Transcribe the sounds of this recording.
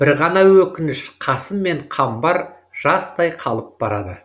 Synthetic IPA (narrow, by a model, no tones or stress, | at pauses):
b̥ɪɾʁɑnɑwɵkʲɪnɪʃqʰɑsəmːe̞ɴqʰɑmbɑɾ | ʒ̥ɑst̪ɑjqʰɑlˠəp̚bɑɾɑd̪ə̰